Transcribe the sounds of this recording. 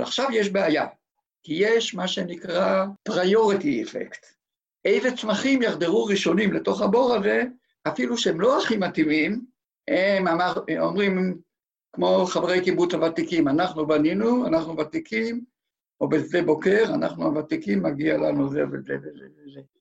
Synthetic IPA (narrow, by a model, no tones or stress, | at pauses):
aχʃavjeʃbeaja | kije̞ʃmaʃe̞nikʁapʁajo̞ʁitiefḛkt̪ | ʔejze̞t͡smaχimjaχd̪eʁuʁiʃo̞nimleto̞χabo̞ʁaze̞ | afiluʃeemlo̞aχimatimim | hemamao̰mʁim | kmo̞χavʁejkibut͡ʃavat̪ikimanaχnubaninuanaχnuvat̪ikʰim | obezebo̞ke̞ʁana̰χnuavat̪ikimːaɡialanuzḛvezevezḛveze